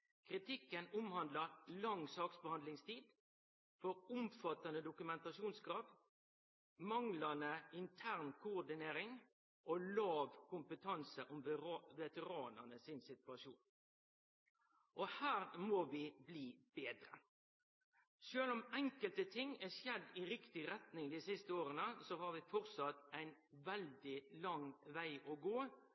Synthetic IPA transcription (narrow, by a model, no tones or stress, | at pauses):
kʰʁɪt̪ɪkːənʊmhɑnd̪ləɾlɑŋsɑːksbəhɑnd̪lɪŋst̪ʰiːd̪ | fɔɾʊmfɑt̪ɑnəd̪ʊkʉmɛnt̪ɑʃuːnsɡɾɑːʋ̪ | mɑŋlənəɪnt̪ʰæːʁnkʰʊːɾd̪ɪneːɾɪŋ | ʔoːlɑːʋkʰʊmpət̪ʰɑnsəʔɔmʋɛt̪əʁɑːnə̰nəsɪnsɪt̪ɑʃuːn | ʔɔhæːʁmɔʋɪbliːb̥eːd̪ɾə | ʃøːlʊmɛŋkəlt̪ət̪ʰɪŋːɛsjɛd̪ːɪɾɪkt̪ɪɾɛt̪nɪŋd̪iːsɪst̪əoːɾənəsɔhɑːɾʋɪfɔʁt̪sɑt̪ːæɪn | ʋɛld̪ɪlɑŋʋæɪʔɔɡoː